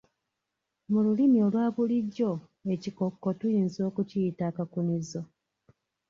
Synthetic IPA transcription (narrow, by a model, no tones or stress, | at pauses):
mululimio̞lwaːβuliɟːo̞ | e̞cikokːo̞tujiːnzo̞ːkuciitaːkakunizo